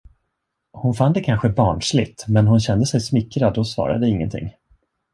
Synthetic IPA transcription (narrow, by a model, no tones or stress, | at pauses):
hʊnfand̪ɛkʰanɧəbɑːɳʂlɪt̪mɛnhʊnɕɛnd̪əsɛjsmɪkɾad̪ɔsvɑ̰ːɾa̰d̪əɪŋːə̰nt̪ʰɪ̰ŋː